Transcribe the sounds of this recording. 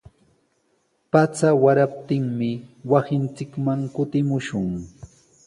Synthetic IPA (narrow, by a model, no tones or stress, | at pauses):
pat͡sawaɾap̚t̪ɪŋmɪwasɪnt͡sɪkmaŋkʊt̪ɪmʊʃʊŋ